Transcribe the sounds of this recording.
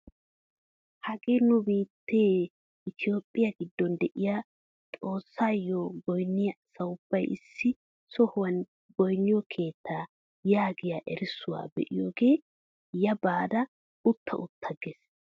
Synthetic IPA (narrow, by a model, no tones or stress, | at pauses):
hɐɡeːnʊbiːt̪ːeː | ʔɪt̪ʰɪjo̞ːpʼːɪjɐɡɪd̪ːɔnd̪ɛʔɪja | t̪ʼo̞ːsːaːjoːɡɔjnːɪjɐsɐwʊb̥ːɐjʔɪ̰sːɪ | sɔhʊwɐn | ɡɔjnːɪjɔkʰe̞ːt̪ʰːaː | jaːɡɪjaʔɛɾsʊwa̰ːbɛ̰ʔɪjoːɡe̞ː | jɐbaːd̪ɐ | ʊt̪ːɐ̰ʔʊt̪ʰːɐɡeːs